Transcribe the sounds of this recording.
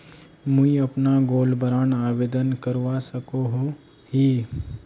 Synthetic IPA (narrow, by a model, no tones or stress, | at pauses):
mũiɐpnaɡoːlbəɾaːnaːʋeːd̪ənkəɾʋasɐkoɦo | hiː